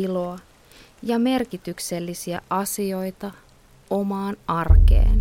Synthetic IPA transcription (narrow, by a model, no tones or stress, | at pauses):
ilo̞ɑ | jɑme̞rkit̪ykse̞lːisiæ̰ʔɑsio̞jt̪ɑ | o̞mɑːnɑrke̞̰ːn